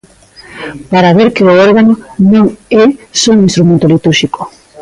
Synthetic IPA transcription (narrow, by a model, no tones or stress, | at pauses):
paɾaβeɾkeooɾɣanonõŋɛsɔ̃ĩnst̪ɾumẽnt̪olit̪uɾʃiko̥